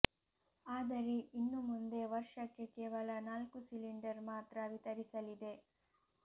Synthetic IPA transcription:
aːd̪ɐɾe̞ʔinːumund̪e̞ʋɐɾʂɐkːe̞kɛːʋɐlɐnaːlkusiliɳɖɐɾmaːt̪ɾɐʋit̪ɐɾisɐlid̪e̞

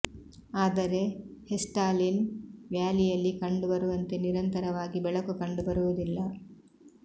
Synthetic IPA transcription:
aːd̪ɐɾe̞hesʈaːlinʋjaːlijɐlːikɐɳɖubɐɾuʋɐnt̪e̞niɾɐnt̪ɐɾɐʋaːɡibɛɭɐkukɐɳɖubɐɾuʋud̪ilːɐ

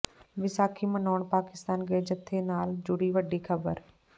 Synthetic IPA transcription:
ʋɪsaːkʰimɐ̃noːɽ̃paːkɪst̪aːnɡeːd͡ʑət̪ʰːenaːld͡ʑʊɽiʋɐɖʱixʰɐbəɾ

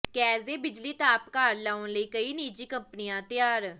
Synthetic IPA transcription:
kɛːzeːbɪd͡ʒliːt̪aːpkaːɾlaːonləiːkəiːniːd͡ʒiːkəmpnijãːt̪ɪjaːɾ

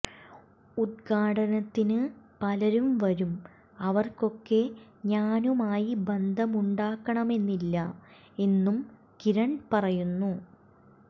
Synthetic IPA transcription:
ud̪̚ɡʰʱaːʈɐnɐt̪ːinɨpɐlɐɾumʋɐɾum | ɐʋɐrko̞kːe̞ɲaːnumaːjibɐnd̪ʱɐmuɳɖaːkːɐɳɐme̞nːilːɐ | e̞nːum | kiɾɐɳpɐrɐjunːu

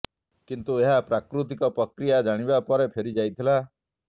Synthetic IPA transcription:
kint̪ueɦapɾakɾut̪ikɔpɾɔkɾijad͡ʒaɽ̃ibapɔɾepʰeɾid͡ʒajt̪ʰila

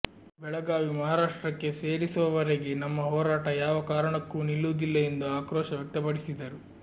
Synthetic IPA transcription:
bɛɭɐɡaːʋimɐɦaːɾaːʂʈɾɐkːe̞se̞ːɾisuʋɐʋɐɾeɡe̞nɐmːɐɦɔːɾaːʈɐjaːʋɐkaːɾɐɳɐkːunilːuːd̪ilːɐe̞nd̪uaːkɾɔːʃɐʋjɐk̚t̪ɐpɐɽisid̪ɐɾu

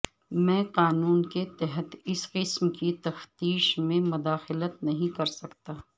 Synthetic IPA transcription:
mɛ̃ːqaːnuːnket̪ɛɦət̪ɪsqɪsmkit̪ɐft̪iːʃmẽmʊd̪aːxɪlət̪nɐɦĩkɐɾsɐkt̪aː

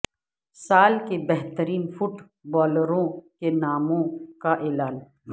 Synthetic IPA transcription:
saːlkebɛɦt̪əɾiːnfʊʈ | bɔːlɾõkenaːmõkaʔeːlaːn

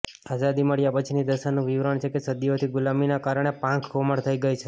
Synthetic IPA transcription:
azad̪iməɽjapət͡ʃʰinid̪əʃanũʋiʋɾəɳt͡ʃʰekesəd̪iot̪ʰiɡʊlaminakaɾəɳ̃epãŋkʰkoməɽt̪ʰəiɡəjt͡ʃʰe

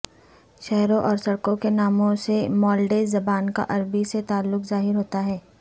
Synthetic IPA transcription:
ʃɛɦɾõʔɔːɾsɐɽkõkenaːmõsemɔːlɖeːzɐbaːnka̰ʔɐɾbiset̪aːlːʊkzaːɦɪɾɦoːt̪aɦɛː

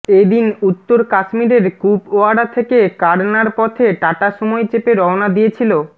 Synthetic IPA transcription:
ed̪inut̪ːoɾkaʃmiɾeɾkupoaɽat̪ʰekekaɾnaɾpɔt̪ʰeʈaʈaʃɔmɔet͡ɕepeɾɔonad̪ijet͡ɕʰilo

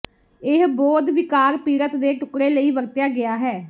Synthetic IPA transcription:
ɪɦbɔːd̪ʋɪkaːɾpiːɾət̪d̪eːʈʊkɾeːləiːʋəɾt̪jaːɡɪaːɦɛː

